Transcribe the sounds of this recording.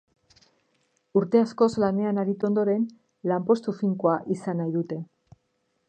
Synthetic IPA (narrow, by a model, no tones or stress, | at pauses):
uɾt̪e̞asko̞zlane̞anaɾit̪uo̞nd̪o̞ɾe̞n | lampo̞st̪ufiŋkoaʔisanajðut̪e̞